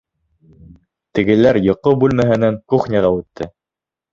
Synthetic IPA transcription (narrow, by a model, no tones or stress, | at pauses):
t̪ɘ̆ɡɘ̆læɾjŏqːobʉlmæɦɘ̆næŋkuχnʲæʁɑʉt̪ʰːɘ